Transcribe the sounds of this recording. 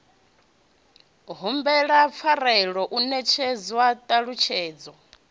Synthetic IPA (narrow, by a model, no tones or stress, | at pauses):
ɦumbɛɺap̪fʰaɾɛɺɔʔunɛt͡ʃʰɛd͡zwatʼaɺut͡ʃʰɛːd͡zɔ